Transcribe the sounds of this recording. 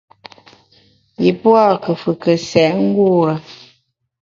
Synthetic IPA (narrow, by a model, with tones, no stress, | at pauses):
ji˨pwa˦˨kə˨fɨ˨kə˨sɛ˨ʔŋ̩˦ɡu˦˨ɾə˨